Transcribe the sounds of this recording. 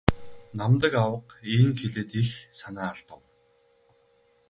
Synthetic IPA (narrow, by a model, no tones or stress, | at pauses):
namt̪ə̆kawə̆qiŋxeɮeːt̪ixsanaːaɮt̪ə̆w